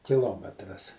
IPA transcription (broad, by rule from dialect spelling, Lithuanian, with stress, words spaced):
kʲɪˈlˠoːmʲɛtrɐs